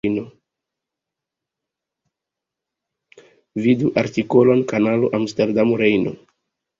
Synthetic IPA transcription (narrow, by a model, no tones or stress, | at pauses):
no | viduʔaɾtikolo̞nkanaloʔamsteɾdamɾejno̰